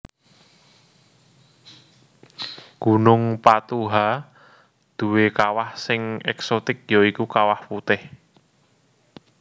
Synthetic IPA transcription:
ɡ̥unʊŋpat̪uɦa | d̪̥ṳwekawahsɪŋɛksot̪ɪk̚jɔikukawahput̪ɪh

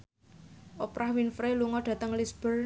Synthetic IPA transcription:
ʔopɾʔahwinfɾeluŋɔɖ̥ä̤t̪əŋlisb̥ər

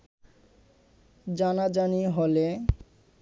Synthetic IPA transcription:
d͡ʑanad͡ʑaniɦole

